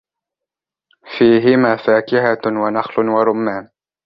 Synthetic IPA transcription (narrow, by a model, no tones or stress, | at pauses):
fiːɦɪmaːfaːkɪɦawanɑxlʊwaɾˤʊmːaːm